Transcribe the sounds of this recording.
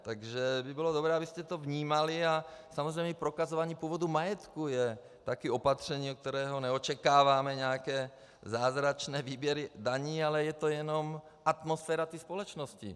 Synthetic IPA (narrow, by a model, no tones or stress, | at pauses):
t̪aɡʒɛbibilɔd̪obɾɛːabiscɛt̪ɔvɲiːmaliasamɔzɾɛjɲɛpɾɔkazɔʋaɲiːpuɔːvɔd̪umajɛt̪kujɛ | t̪akiɔpat̪r̝̥ɛɲiːɔk̚t̪ɛɾɛːɦɔnɛɔt͡ʃɛkaːʋamɛɲɛakɛː | zaːzɾat͡ʃnɛːviːbjɛɾid̪aɲiːalɛjɛt̪ɔjɛnɔm | ʔat̪mɔsfɛːɾat̪ispɔlɛt͡ʃnɔscḭ